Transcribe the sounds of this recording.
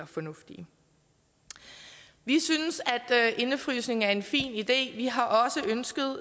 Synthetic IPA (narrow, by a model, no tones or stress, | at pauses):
ɐfɒnɔ̽fd̥i | ʋisynəsæd̥ʔe̝nəfʁysne̝ŋ̩æɐe̝nfḭːnid̥e̝̰ːʋiɦɑ̈ʔɒ̽səʔønsɡ̥ð̞ˠ